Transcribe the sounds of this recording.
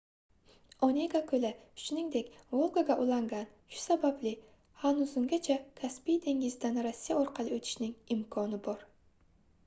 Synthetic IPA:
oneɡakʰɵlɪ̥ʃnɪŋd̪ekʲvolˠɡaɡaʔʊlˠɑŋɡɑn | ʃʊ̥sabablɪ | hanʊzʊŋɡʲat͡ʃʰakʰaspijd̪e̞ŋɡʲɪzɪd̪anɾasːijaoɾqʰɑlˠɪɵt̪ʰɪ̥ʃnɪŋɪmkʰɒnɪbɒɾ

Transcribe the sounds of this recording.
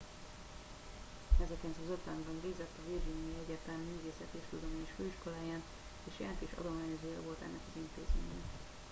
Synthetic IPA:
ɛzɛkɛnt̪ɒzot̪laːŋbɒnbiːɡzɛt̪ːɒvirʒinjjjɛɟːɛrt̪ɛlmmyːveːsɛt̪eʃt̪ud̪omiːeʃføːiʃko̞laːjaːn | eːʃjaːnk̪eːʃɒ̰d̪o̞maːɲɛzøːjɛvo̞lt̪ɛ̰nːɛkɒzint̪eːzmḛːɲɛ

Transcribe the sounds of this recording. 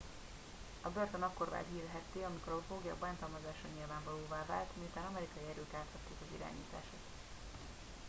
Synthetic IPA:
ɒbørt̪onɒkːo̞rva̰ːd̪iːlɦɛt̪ːeːɒmikoɾɒofoːɡijɒ̰baːnt̪ɒlmɒzaːʃɒɲilvaːɱvɒloːvaːva̰ːlt̪miut̪aːnɒmɛɾikɒjiɛɾøːk̪aːt̪hɒt̪ːeːkɒzḭɾa̰ːɲḭːt̪a̰ːʃot̪

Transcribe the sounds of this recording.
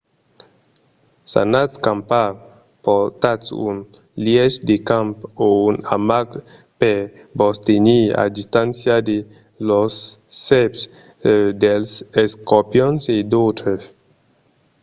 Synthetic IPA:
sa̰natskãmpa | pɔt̪atṵn | ljɛʃd̪ekãmpounamaɡpɛ | bɔst̪enia̰d̪ist̪ãnsjad̪e | lɔsːɛps | d̪ɛlsɛskɔpjɔnsed̪ot̪ɾɛs

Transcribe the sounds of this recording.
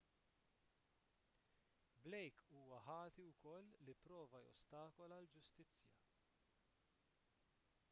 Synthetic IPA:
blɛjkʰuːwɐħɐːt̪iwkɔlːipɾɔːvɐjɔ̰st̪ɐːkɔlɐld͡ʒʊst̪ɪt͡sːjɐ

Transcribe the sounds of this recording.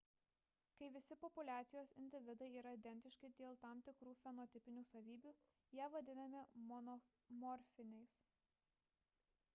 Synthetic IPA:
kɐɪʋʲɪsʲɪpɔpʊlʲæːt̪sʲɪjoːsɪnʲd̪ʲɪʋʲɪd̪ɐɪiːɾɐid̪ʲɛnʲt̪ʲɪʃkʲɪd̪ʲeːlˠt̪ɐˑmt̪ʲɪkɾuːfʲɛnɔt̪ʲɪpʲɪnʲuːsɐʋʲiːbʲuː | jæːʋɐd̪ʲɪnɐmʲɪmɔ | mɔɾʲfʲɪnʲɛɪs

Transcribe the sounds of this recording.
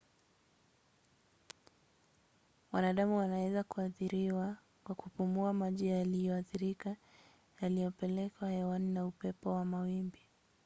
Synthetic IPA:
wanaɗamuwanawɛzakuaθiɾiwa | kwakupumuamaʄiajalijɔaθiɾika | jalijɔpɛlɛkwahɛwaninaupɛpɔwamawimbi

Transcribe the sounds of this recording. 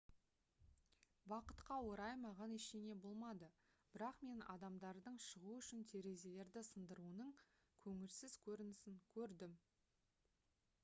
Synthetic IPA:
bɑqə̥t̪qɑwo̞ɾɑjmɑʁɑneʃene̞bo̞lˠmɑd̪ə | b̥ɪɾɑqme̞nɑ̰d̪ɑmd̪ɑɾd̪əɴʃəʁuʏʃɪnt̪ʰe̞ɾe̞ze̞le̞ɾd̪ɪsənd̪əɾuənəɴ | kʲʰɵŋɪlsɪz̥kʲʰɵɾɪnɪsɪŋkʲʰɵɾd̪ɪm

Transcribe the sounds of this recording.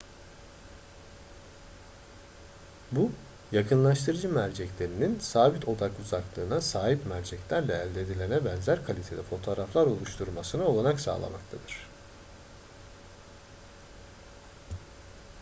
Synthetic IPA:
bu | jakʰɯnlˠaʃt̪ʰɯɾɯd͡ʒɯmæɾd͡ʒɛclʲe̞ɾininsaːbit̪ʰo̞d̪akuzaklˠɯːnasaːɦipmæɾd͡ʒɛclʲæɾlʲɛːlʲd̪eːd̪ilʲenɛbɛnzæɾkʰalʲit̪ʰe̞d̪ɛfo̞t̪ʰo̞ːɾaflˠaɾo̞lˠuʃt̪ʰuɾmasɯnɯo̞lˠanaksa̰ːlˠa̰ma̰kt̪ʰad̪ɯɾ̥

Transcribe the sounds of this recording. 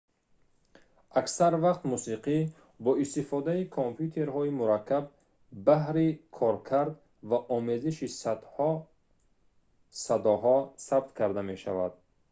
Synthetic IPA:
ʔaksaɾvaqt̪musiqi | bɔist̪ifɔd̪aikʰompʰjut̪ʰe̞ɾɦɔimuɾakʰːabː | ahɾikʰɔɾkʰaɾd̪ | vaʔɔme̞ziʃis | sad̪ɔɦɔsab̚t̪kʰaɾd̪ame̞ʃa̰va̰d̪̥

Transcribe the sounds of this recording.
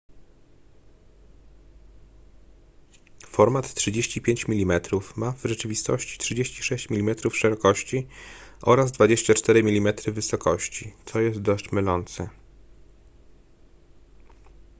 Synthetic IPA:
fɔɾmat̪tːʂɘd͡ʑeɕt͡ɕipʲjeɲt͡ɕmʲilʲimɛt̪ɾufmavʐɛt͡ʂɘvʲist̪ɔ̰ɕt͡ɕi̥tʂɘd͡ʑeɕt͡ɕi̥ʂɛɕt͡ɕmʲilʲimɛt̪ɾufʂɛɾɔkɔɕt͡ɕiʔɔɾazd̪vad͡ʑeɕt͡ɕat͡ʂt̪ɛɾɘmʲilʲimɛt̪ɾɘvɘsɔkɔɕt͡ɕit̪sɔjɛst̪̚d̪ɔʂmɘlɔnt̪sɘ

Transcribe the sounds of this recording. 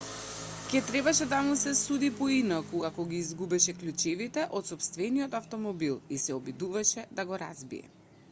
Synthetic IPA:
cɛt̪ɾɛbaʃɛd̪amusɛsud̪ipɔinakuakɔɡʲiːzɡubɛʃɛklʲut͡ʃɛvit̪ɛʔɔt̪sɔpst̪vɛniɔt̪aft̪ɔmɔbilˠisɛɔbid̪uvaʃɛd̪aɡɔɾa̰zbḭɛ̰

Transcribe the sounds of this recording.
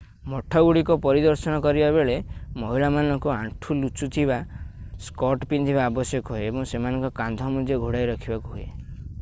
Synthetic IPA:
mɔʈʰɔɡuɽikɔpɔɾid̪ɔɾsɔnɔkɔɾibabeɭemɔɦiɭamanɔŋkuãɳʈʰulut͡ʃut̪ʰibaskɔʈpind̪ʰibaːbɔsjɔkɔɦueebɔŋsemanɔ̃ŋkɔkand̪ʱɔmud̪ʱjɔɡʱuɽajɾɔkʰibakuɦuḛ

